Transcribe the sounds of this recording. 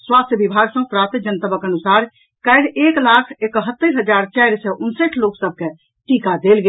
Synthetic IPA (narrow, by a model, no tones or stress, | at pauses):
swast̪ʰjəbibʱaɡsə̃pɾat̪d͡ʒənt̪əbəkənusaɾ | kəɪɽeklakʰekəɦət̪ːəɾɦəd͡ʒaɾt͡ʃɛɾsɛʔunseʈʰloksəb̚ʱke | ʈikad̪elɡe